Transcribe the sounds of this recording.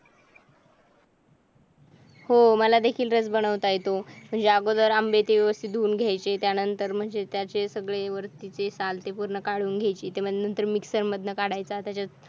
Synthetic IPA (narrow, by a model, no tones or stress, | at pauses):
homəlad̪ekʰiːlɾət͡sbəɽ̃əʋt̪ajet̪om̤əɳd͡zeaɡod̪əɾambet̪iʋjəʋəst̪ʰit̪̚d̪ʱuːnɡʱjajt͡set̪janənt̪əɾm̤əɳd͡zet̪jat͡sesəɡɭeʋəɾt̪it͡sesalt̪epuɾɳəkaɽuːnɡʱajt͡ɕiːt̪em̤ənənt̪əɾmiksəɾməd̪ʱnəkaɽajt͡sat̪jat͡ɕa